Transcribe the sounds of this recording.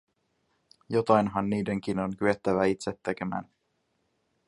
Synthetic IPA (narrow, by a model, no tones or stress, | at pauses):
jo̞t̪ɑjnɦɑnːiːdeŋk̟inonkyet̪ːæʋæit̪set̪ːek̟emæ̰ːn